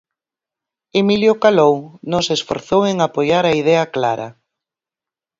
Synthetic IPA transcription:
emiljokalownosesfo̰ɾθoweŋapojaɾaið̞ɛɐkla̰ɾɐ̰

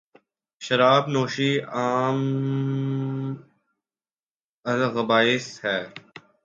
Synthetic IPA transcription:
ʃɐɾaːbnoːʃiaːm | ɐlɣɐbaːɪshɛː

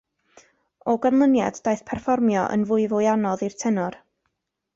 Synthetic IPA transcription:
ɔɡanlˠənjad̥dajθpʰɛrfɔrmjɔ̰ʔə̰nvʊɨvʊɨanɔðirtʰɛnʊr

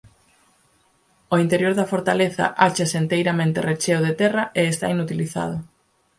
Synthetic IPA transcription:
oint̪eɾjoɾðɐfoɾt̪aleθɐ̰ʔat͡ʃeseːnt̪ejɾamẽnt̪eret͡ʃeoðet̪ɛrɐʔeːst̪a̰inut̪iliθa̰ð̞ʊ

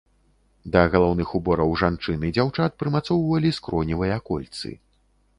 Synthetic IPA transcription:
d̪ɐɣɐlˠɔwnɨxubɔɾɐwʐant͡ʂɨnɨd͡zʲawt͡ʂat̪̚pɾɨmat̪sɔwvɐlʲiskɾɔnʲivɨjɐakɔlʲt̪sɨ̰

